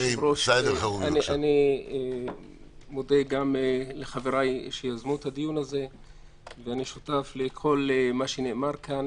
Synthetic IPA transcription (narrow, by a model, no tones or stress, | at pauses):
ɾoʃeauaniʔanie | mod̪eɡamleχaveɾajʃejazmut̪ad̪ijunaze̞ | veaniʃut̪aflekʰo̞lmaʃenemaʁkʰan